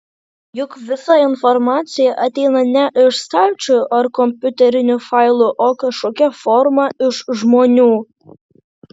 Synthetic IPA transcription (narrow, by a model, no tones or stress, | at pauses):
jʊkʋʲɪsɑɪnformɑtt͡sʲɪjɛʔɐt̪ʲejnɐnʲɛʔɪʃst̪ɑlʲt͡ʃʊʔɐrkomʲpʲut̪ʲɛɾʲɪnʲufɑjlˠuʔokɐʃokʲɛformɐɪʃʒmonʲuː